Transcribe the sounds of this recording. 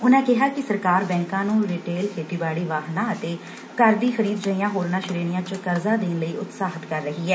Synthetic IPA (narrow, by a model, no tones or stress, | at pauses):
ʊnãːkɪɦaːkɪsəɾkaːɾbɛ̃ːŋkãːnũːɾiːʈeːlkʰeːt̪iːbaːɽiːʋaːɦnãːət̪eː | kəɾd̪iːxəɾiːd̪d͡ʒəijãːɦoːɾnaːʃɪɾeːnɪjãːt͡ʃkəɾzaːd̪eːnləiːʔʊt̪saːɦət̪kəɾːəɦiːɛː